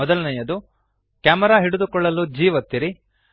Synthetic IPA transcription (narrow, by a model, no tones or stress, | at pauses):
ɔd̪ɐlɐnɐjɐd̪u | kaːmɐɾaːɦiɽud̪ukɔɭːɐlud͡ʒiːʋɐt̪ːiɾi